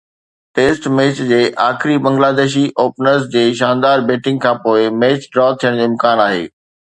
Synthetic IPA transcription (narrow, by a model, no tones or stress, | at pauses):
ʈeːsʈmeːt͡ɕd͡ʑeːʔaːxɾibɐ̃ŋɡlaːd̪eːʃ̬iʔoːpnəɾs̬d͡ʑeːʃãːnd̪aːɾbeːʈɪ̃ŋɡ̚kʰãːpoːɪmeːt͡ɕɖɾɔːt̪ʰijəɽ̃d͡ʑeːmkaːnaːɦḛː